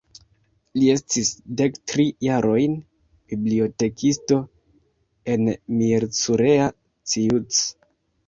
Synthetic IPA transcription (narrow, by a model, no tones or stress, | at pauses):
lie̞stisde̞ktɾijaɾʔo̞jn | b̥iblio̞te̞kʰisto̞ | e̞nmiɾt͡suɾe̞a | t͡siut͡s